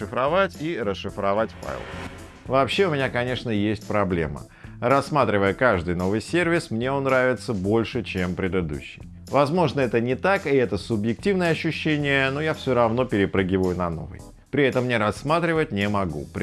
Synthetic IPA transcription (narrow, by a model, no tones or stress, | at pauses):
ɨfɾɐvatʲiɾəsʂːɨfɾɐvatʲfa̰j̰lˠ | vɐːpɕːe̞ʊmʲɪnʲakɐnʲe̞ʂnəjesʲtʲpɾɐblʲe̞̰mə̰ | ɾɐsːmat̪ɾʲɪvəjəkaʐd̪ɨjno̞vɨjsʲervʲɪsmnʲe̞o̞nːɾavʲɪt̪səbo̞lʲʂɨt͡ɕempɾʲɪd̪ɨd̪ṵɕːɪj | vɐzmo̞ʐnəɛt̪ənʲɪt̪akɪɛt̪əsʊbjɪk̚tʲivnəjəɐɕːʉɕːenʲɪjənojafsʲoɾɐvno̞pʲɪɾʲɪpɾɨɡʲɪvəjʊnɐno̞̰vɨ̰j | pɾʲɪɛt̪əmnʲeɾɐsːmat̪ɾʲɪvət̚ʲnʲɪmɐɡṵp